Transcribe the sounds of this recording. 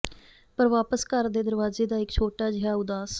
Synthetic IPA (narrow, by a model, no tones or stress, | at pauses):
pəɾʋaːpəskəɾd̪eːd̪əɾʋaːzeːd̪aːɪkt͡ʃʰoːʈaːd͡ʒɪɦaːʊd̪aːs